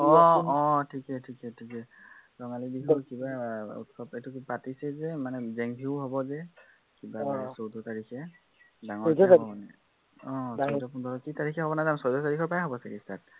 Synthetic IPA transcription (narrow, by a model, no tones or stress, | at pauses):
ɔɔ̃tʰikɛtʰikɛtʰikɛ | zɔŋalidikʰɔkibaṵtsɔpetukpatisɛzɛmanɛzɛŋbʱiʊɦɔbɔzɛ | kibaasowdɔtaɹikʰɛ | daŋɔanɛ | ɔ̃sowdɔpundʱɔɹɔkitaɹikʰɛɦɔbɔnazansɔwdɔtaɹikʰɔɹpajaɦɔbɔsɛkistat̚